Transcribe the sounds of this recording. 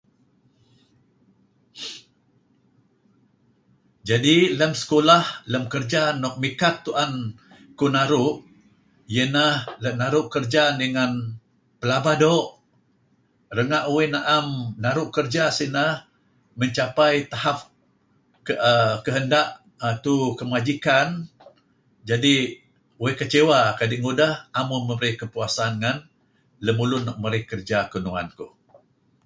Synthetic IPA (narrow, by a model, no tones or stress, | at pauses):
d͡ʒadiləmsə̥kolahləmkərd͡ʒanɔʔ̚mikat̪ːuʔan | kunaɾʊʔ | jənahlənaɾʊʔkərd͡ʒanəŋan | pəlabadoʔ | ɾəŋaʔuwɪnaʔamnaɾʊʔkərd͡ʒasinəh | məɲt͡ʃapajt̪ahap̚ | kəəkəɦəndaʔ | ət̪ukəmad͡ʒikan | d͡ʒadi | uɪhkət͡ʃewakadiʔŋudahamuməbəɾikəpuasanŋan | ləmulʊnɔʔ̚məɾɪhkərd͡ʒakunuŋa̰nku